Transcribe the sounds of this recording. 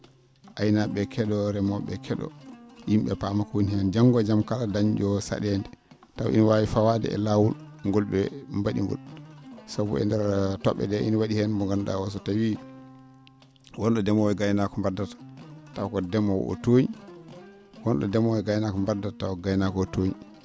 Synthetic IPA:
ʔajnaɓɛkʰɛɗɔɾɛmɔɓɛkʰɛɗɔ̰jimɓɛpamakoɲihɛnd͡ʒaŋɡɔd͡ʒamkaladaɲd͡ʒɔsa̰ɗɛndɛ | taw̰ʔḭnwawifawadɛ̰ɛ̰lawul | ŋɡɔlɓɛmbaɗḭŋɡɔ̰lsabṵɛ̰ndɛɾtɔ̰ɓːɛ̰dɛʔḭnwaɗihɛnmbɔŋɡanɗa̰wɔs̬ɔtawi | wɔnɗɔdɛmɔɛɡajnakɔmbadatḁtawkɔdɛmɔw̰ɔ̰toɲi | wɔnɗɔ̰dɛmɔɛɡajnakɔmbadatawɡajnakɔtoɲi

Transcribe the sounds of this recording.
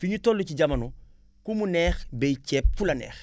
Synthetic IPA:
fiɲutolːuciɟɐmɐno | kumunɛːxbɛcɛːp̚fulɐnɛ̰ːx

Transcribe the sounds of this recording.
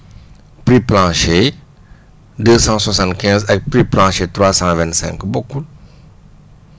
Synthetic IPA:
pɾiplɑ̃ʃe | d̪øsɑ̃swasɑ̃t̪kʲɛ̃zɛk̚pɾiplɑ̃ʃet̪ɾwasɑ̃vɛ̃nt̪sɛ̰̃ŋkboku

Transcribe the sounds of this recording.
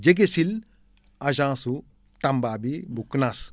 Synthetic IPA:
d͡ʒeɡesil | ɐd͡ʒãːsu | t̪ɐmbaːbibuknas

